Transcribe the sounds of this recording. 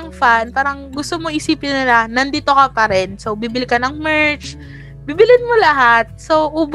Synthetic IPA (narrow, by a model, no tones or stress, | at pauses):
ɐŋfanpaːɾɐŋɡʊst̪omoɪɪsiːpɪnːɪlɐnɐnd̪iːt̪o̞kɐpɐɾɛnso̞wbibɪlɪkɐnɐŋmɛɹt͡ʃ | biːbɪlɪnmolɐɦat̪̚soʔuːb